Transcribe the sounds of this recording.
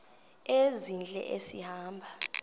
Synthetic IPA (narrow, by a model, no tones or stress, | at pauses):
ezind͡ɮʱʼɛ̰ʔesihaːmbʱa